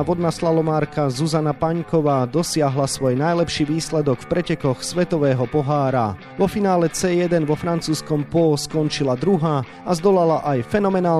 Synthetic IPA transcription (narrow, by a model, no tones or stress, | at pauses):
ʋɔd̪naːslalɔmaːɾkazuzanapaɲkɔʋaːd̪ɔsɪaɦlasʋɔjnajlɛpʃiːʋiːslɛd̪ɔkfpɾɛcɛkɔxsʋɛt̪ɔʋɛːɦɔpɔɦaːɾa̰ | ʋɔfinaːlɛt͡sɛːjɛd̪ɛnʋɔfɾant͡suːskɔmpɔːskɔnt͡ʃilad̪ɾuɦaː | azd̪ɔlalaʔajfɛnɔmɛnaː